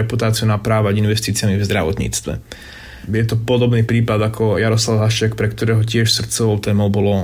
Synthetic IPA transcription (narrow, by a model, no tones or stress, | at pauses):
ɛput̪aːt͡sɪunapɾaːʋaɟinʋɛst̪iːt͡sɪamivzd̪ɾaʋɔ̰t̪ɲḭːt͡st̪ʋɛ̰ | jɛt̪ɔpɔd̪ɔbniːpɾiːpad̪akʰɔjaɾɔslaʊɦaʃɪakpɾɛkt̪ɔɾɛːɦɔcɪɛʃsr̩t̪t͡sɔʋɔʊt̪ɛːmɔʊbɔlɔ